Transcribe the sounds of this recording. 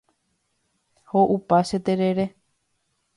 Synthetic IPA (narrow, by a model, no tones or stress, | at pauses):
hoʔupaʃet̪eɾeɾe̞